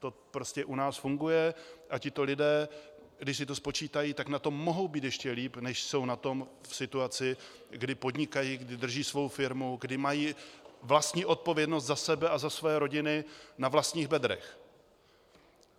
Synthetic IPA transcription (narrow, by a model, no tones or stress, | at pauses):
t̪o̞pɾo̞scɛʔunaːsfuŋɡujɛʔacɪt̪o̞lɪdɛː | ɡdɪʃs̬ɪt̪o̞spo̞t͡ʃiːt̪ajiːt̪aknat̪o̞mːo̞ɦo̞wbiːt̪jɛʃcɛliːpnɛʃso̞wnat̪o̞mfsɪt̪uat͡sɪ | ɡdɪpo̞d̪ɲɪkajiːɡdɪd̪r̩ʒiːsvo̞wfɪɾmuɡdɪmajiːvlast̪ɲiːʔo̞t̪̚povjɛdno̞st̪zasɛbɛʔazasvojɛɾo̞ɟɪnɪnavlast̪ɲiːɣbɛd̪ɾɛ̰x